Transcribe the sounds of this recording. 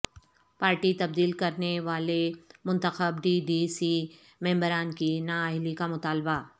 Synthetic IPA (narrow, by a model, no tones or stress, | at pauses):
paːɾʈit̪ɐb̚d̪iːlkɐɾneʋaːlemʊ̃nt̪əxəbɖiːɖiːsi | mɛ̃ːmbəɾaːnkinaːaːɪlikamʊt̪aːlba